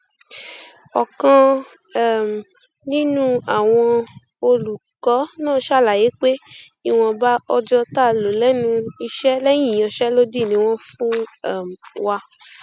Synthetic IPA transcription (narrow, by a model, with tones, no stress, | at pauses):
ɔ˨kã˧ | ɛ˦˨m˨ | nĩ˦nũ˦a˦˨w̃ɔ̃˧ | o˧lu˨kɔ˨˦nãː˦˨˦ʃa˦˨la˨je˨˦k͡pe˦ | i˦˨w̃ɔ̃˧ba˦ʔɔ˧d͡ʒɔ˧ta˦˨lo˨lɛ˦nũ˧i˧ʃɛ˦lɛ˦j̃ĩ˦˨ɔ̃˨˧ʃɛ˦lo˦di˦˨nĩ˧w̃ɔ̃˦fũ˦ɛ˦˨m˨wa˧